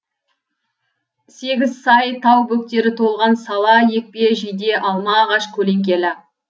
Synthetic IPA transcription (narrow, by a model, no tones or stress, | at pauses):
se̞ɡʲɪzsɑjt̪ʰɑwbɵk̚t̪e̞ɾɪt̪ʰo̞lˠʁɑnsɑlˠɑje̞k̚pe̞ʒijd̪e̞ʔɑlˠmɑːʁɑʃkʲʰɵle̞ŋkʲe̞lɪ